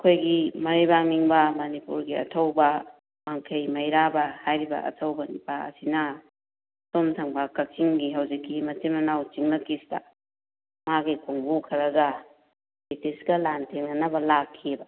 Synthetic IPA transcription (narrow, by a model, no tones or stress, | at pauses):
ɐkʰojɡimɐɾibaŋmiŋbɐmɐnipṵɾɡiɐ̰tʰɐwbɐ | maŋkʰɐjmɐjɾabɐhajɾibɐ̰ʔɐ̰tʰɐwbɐnipaɐ̰sinɐ | somtʰɐŋbɐkɐk̚siŋɡiɦawd͡ʒikːimɐtimɐnawt͡ʃiŋnɐkistɐ̰ | maɡikʰoŋbukʰɐɾɐɡɐ | etisɡɐlantʰeŋɐnɐbɐlakʰːiebɐ